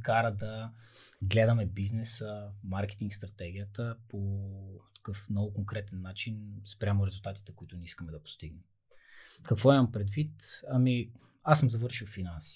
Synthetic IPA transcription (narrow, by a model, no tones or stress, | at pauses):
kaɾəd̪ɐ | ɡlɛd̪əmɛbiznɛsəmaɾkɛ̥t̪iŋkst̪ɾɐt̪ɛɡ̟ijət̪əpʰot̪ɐ̥kɤfnɔɡʊkoŋkɾɛt̪ɛnːat͡ʃinspɾʲamʊɾɛzʊlˠt̪at̪i̥t̪ɛkʊit̪ʊnʲɛiskɐmɛd̪ɐpo̥st̪iɡnɛm | kɐkvɔimɐmpɾɛd̪vit̪ɐmi | asːəmzɐvɤɾʃiwfinansi̥